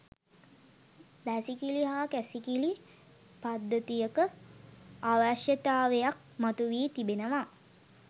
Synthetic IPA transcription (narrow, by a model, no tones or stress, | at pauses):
ʋæsikiliɦaːkæsikili | pad̪ːət̪ijəkə | aːʋaʃjət̪aːʋejak̚mat̪uʋiːt̪ibenəʋa